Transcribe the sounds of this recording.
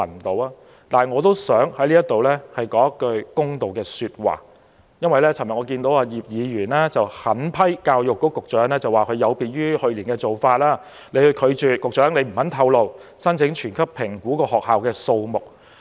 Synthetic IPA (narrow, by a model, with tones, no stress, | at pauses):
ɐ˨˩nt̪o˨˧waː˧˥ | t̪aː˨˩ŋɔː˨˧t̪o˥wsœː˨˥ŋhɐ˨˥jliː˥jɐ˥t̪o˨wlɛ˥hɐ˨jkɔː˨˥jɐ˥kːɵ˧ɥkʊ˥ŋt̪o˨wkɛː˧syː˧t̚wa̰ː˨ | jɐ˥nwɐ˨jlɛː˥t͡sʰɐ˨˩mɐ˨˩ŋɔ˨˧kiː˧nt̪o˨˥waː˧jiː˨p̚jiː˨˧jyː˨˩nlɛ˥t͡sɐ˨whɐ˨˥npʰɐ˥jkaː˧wjʊ˨kːɔː˨˥kʊ˨k̚t͡ʃœː˨˥ŋlɛː˥t͡sɐ˨waː˨kʰɵ˨˧jɐ˨˧wpiː˨t̚jyː˥hɵ˧ɥliː˨˩nkɛː˧t͡so˨wfaː˧t̚laː˥ | le˨˧hɵ˧kʰɵ˨˧t͡ʃyː˨˩kʊ˨k̚t͡ʃœː˨˥ŋle˨˧jm̩˨˩hɐ˨˥nt̪ʰɐ˧wlo˨wsɐ˥nt͡sʰɪ˨˥ŋt͡ʃʰyː˨˩nkʰɐ˥p̚pʰɪ˨˩ŋkuː˨˥kɔː˧hɔː˨k̚haː˨wkɛː˧so˧wmʊ˨k̚